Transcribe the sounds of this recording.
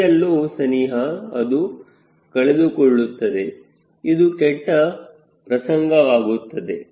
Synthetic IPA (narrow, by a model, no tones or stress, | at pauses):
ɐlːoːsɐniːɦɐɐd̪u | kɐɭed̪ukɔɭːut̪ːɐd̪e̞ | id̪ukɛʈːɐ | pɾɐsɐŋɡɐʋaːɡut̪ːɐd̪e̞